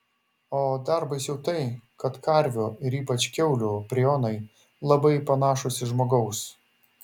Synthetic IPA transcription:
oːd̪ɑɾbɐɪsjɛʊt̪ɐɪkɐt̪kɐɾʲʋʲoːɪɾiːpɐt͡ʃʲkʲɛʊlʲuːpʲɾʲɛjoːnɐɪ | lˠɐbɐɪpɐnɑːʃʊsʲɪʒmoːɡɐʊs

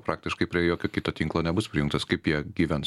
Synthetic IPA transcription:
pɾɑːk̚t̪ʲɪʃkɐɪpʲɾʲiɛjoːkʲoːkʲɪt̪ɐt̪ʲiːŋklˠoːnʲɛbʊspʲɾʲɪjʊŋkt̪ɐskɐɪpjiɛɡʲiːʋʲɛn

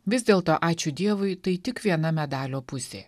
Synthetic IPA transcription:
ʋʲɪzʲd̪ʲeːlˠt̪oːʔɑːt͡ʃʲʊd̪ʲiɛʋʊɪt̪ɐɪt̪ʲɪkʋʲiɛnɐmʲɛd̪ɑːlʲoːpʊsʲḛː

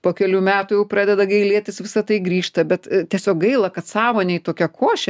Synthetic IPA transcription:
poːkʲɛlʲuːmʲæːt̪ujɛʊpɾɑːd̪ʲɛd̪ɐɡɐɪlʲiɛt̪ʲɪsʋʲɪsɐt̪ɐɪɡɾʲiːʃt̪ɐbʲɛt̪t̪ʲiɛsʲoːkɡɐɪlˠɐkɐt̪sɑːʋoːnʲɛit̪oːkʲɛkʰoːʃʲɛ

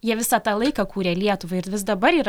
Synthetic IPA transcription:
jiɛʋʲɪsɑt̪ɑːlˠɐɪkɐkuːɾʲeːlʲiɛt̪ʊʋɐɪɪɾʋʲɪs̬d̪ɐbɐɾiːɾ

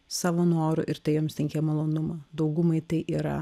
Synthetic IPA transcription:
sɑːʋoːnoːɾʊ̰ʔɪɾt̪ɐɪjoːmst̪ʲɪŋʲkʲɛmɐlˠoːnʊmɐːd̪ɐʊɡʊmɐɪt̪ɐɪʔiːɾɐ̰

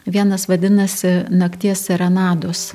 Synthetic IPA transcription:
ʋʲiɛnɐsʋɐd̪ʲɪnɐsʲɪnɐkt̪ʲiɛsʲɛɾɐnɑːd̪oːs

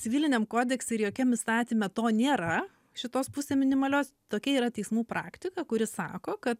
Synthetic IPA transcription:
t͡ssʲɪʋʲiːlʲɪnʲɛmkoːd̪ʲɛksʲɪɾjoːkʲɛmɪst̪ɑːt̪ʲiːmʲɛt̪oːnʲeːɾɐ | ʃʲɪt̪oːspʊsʲeːmʲɪnʲɪmɐlʲoːst̪oːkʲɛiːɾɐt̪ʲɛɪsmuːpɾɑ̰ːkt̪ʲɪkɐkʊɾʲɪsɑ̰ːkoːkɐt̪

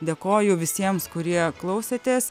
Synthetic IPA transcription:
d̪ʲeːkoːjʊʋʲɪsʲiɛmskʊɾʲiɛklˠɐʊsʲeːt̪ʲeːs

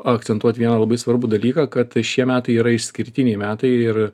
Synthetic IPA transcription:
ɐk̪̚sʲɛnt̪uɔt̪ʲʋʲiɛnɐːlˠɐbɐɪsʋɐɾbud̪ɐlʲiːkɑːkɐt̪ʃʲiɛmʲæːt̪ɐɪiːɾɐɪʃsʲkʲɪɾʲt̪ʲɪnʲɛɪmʲæːt̪ɐɪɪɾ

